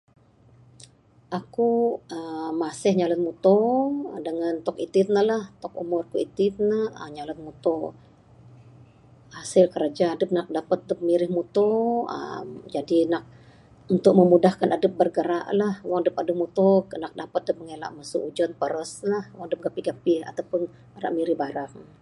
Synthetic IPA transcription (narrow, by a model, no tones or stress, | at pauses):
ʔakuəmːasɪhɲalət̪̚mut̪odəŋant̪ɔkit̪ɪt̪̚nəhlaht̪ɔkṵmʊrkuit̪ɪt̪̚nəhəɲalət̪̚mut̪o | hasɪlkəɾad͡ʒaːdəp̚nak̚dapət̪̚dəp̚miɾɪhmut̪oə̰d͡ʒadinak̚ | unt̪ʊk̚məmudahkanadəp̚bərɡəɾa̰ʔlahwaŋdəpadəp̚mut̪okənak̚dapət̪̚dəp̚məŋela̰ʔməsuʔud͡ʒɔnpəɾəsnahwaŋdəp̚ɡapiɡapɪha̰t̪awpʊn | ɾa̰ʔmiɾɪhbaɾaŋ